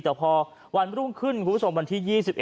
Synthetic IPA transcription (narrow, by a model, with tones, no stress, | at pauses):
t̪ɛː˨˩pʰɔː˧ | wa˧nɾu˥˩mkʰɯ˥˩nkʰu˧˩pʰo˩˦mwa˧nt̪ʰiː˥˩jiː˥˩si˨p̚ʔe˨